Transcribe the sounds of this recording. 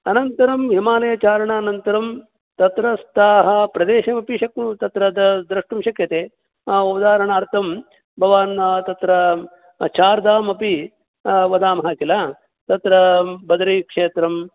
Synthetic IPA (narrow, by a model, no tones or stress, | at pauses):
ɐnɐnt̪ɐɾɐmɦimaːneːɐt͡ʃaːɾɐɳaːnɐnt̪ɐɾɐm | t̪ɐt̪ɾɐst̪ʰaːɦɐpɾɐd̪eːʃɐmɐpiʃɐkut̪ɐt̪ɾɐd̪ɐd̪ɾɐʂʈɐmʃɐkjɐt̪eː | uʋɐd̪aːɾɐɳaːɾt̪ʰɐm | bʱɐʋaːnt̪ɐt̪ɾɐ | t͡ʃaːɾd̪aːmɐpi | ʋɐd̪aːmɐɦɐkilaː | t̪ɐt̪ɾɐbɐd̪ɾikʂeːt̪ɾɐm